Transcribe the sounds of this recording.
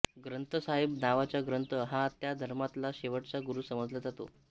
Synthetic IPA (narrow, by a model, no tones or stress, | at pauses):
ɡɾənt̪əsaɦib̚naʋat͡ɕjaɡɾənt̪əɦãt̪jad̪ʱəɾmat̪laɕeʋəʈt͡saɡuɾuːsəməd͡zləd͡zat̪o̰